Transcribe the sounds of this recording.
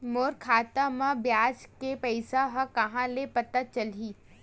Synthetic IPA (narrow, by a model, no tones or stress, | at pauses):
moːɾkʰaːt̪amãbjaːd͡ʒkepɛɪsaɦɐ̃kɐɦãlepɐt̪ət͡ʃɐlɦiː